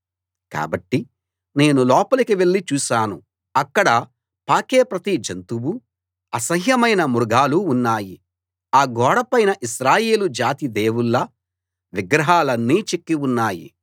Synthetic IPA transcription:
ka̰ːbɐʈːi | ne̞ːnulɔːpɐlɐkiʋe̞ɭːit͡ʃuːʃaːnu | ɐkːɐɽɐ | paːkeːpɾɐt̪id͡ʒɐnt̪ubu | ɐsɐɦjɐmɐjnɐmuɾuɡaːluːnːaːji | aːɡɔːɽɐpɐjnɐʔiʃɾaːjeːlud͡ʒaːt̪id̪eːwulːɐ | ʋiɡɾɐɦaːlɐnːiːt͡ʃe̞kːiunːaːjḭ

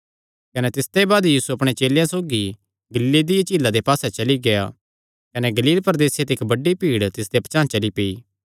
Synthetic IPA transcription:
kɐnɛt̪ɪst̪ebaːd̪jiːsuɐpɽ̃et͡ʃeːljãsoːɡi | ɡɐliːled̪ɪjat͡ʃiːlːad̪epaːsɛt͡ʃɐliɡea̰ | kɐnɛɡɐliːlpɐɾd̪eːsjet̪eɪkbɐɖːipiːɽt̪ɪsd̪epɐt͡ʃãːt͡ʃɐlipeiː

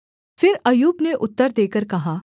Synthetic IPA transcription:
fɪɾɐjuːbneʔʊt̪ːəɾd̪eːkəɾkɐɦaː

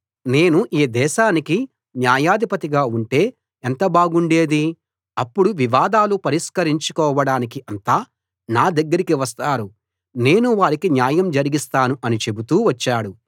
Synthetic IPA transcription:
ne̞ːnuʔiːd̪ɛːʃaːniki | njaːjaːd̪ʱipɐt̪iɡaːuɳʈe̞ː | ent̪ɐbaːɡuɳɖe̞ːd̪i | ɐpːuɽuʋiʋaːd̪aːlupɐɾiʂkɐɾiɲt͡ʃukɔːʋɐɽaːnikiʔɐnt̪aː | naːd̪ɐɡːɐɾikiʋɐs̬t̪aːɾu | ne̞ːnuʋaːɾikinjaːjɐmd͡ʒɐɾiɡist̪aːnuʔɐnit͡ʃe̞but̪uːʋɐt͡ʃːaːɽu

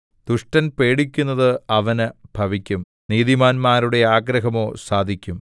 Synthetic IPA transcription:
t̪uʂʈɐnpe̞ːɽikʲːunːɐðɨɐʋɐnɨb̥ʱɐʋikʲːum | niːðimaːnmaːɾuɽe̞aːɡɾɐɦɐmo̞ːsaːd̪ʱikʲːum

